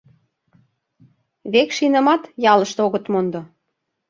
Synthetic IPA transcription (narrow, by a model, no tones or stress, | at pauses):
βekʃinə̆mɑt̪jɑlɤ̆ʃt̪oɣɤ̆t̪mond̪ŏ